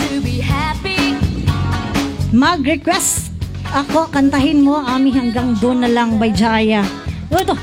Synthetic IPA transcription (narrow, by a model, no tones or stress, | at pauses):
tbihapi | mɐɡɾɛkwɛst̪ | ʔɐko̞kɐnt̪ɐɦɪnmo̞ʔaːmɪɦhɐŋɡaŋd̪onɐlɐŋbɐjd͡ʒaːjɐ | ot̪o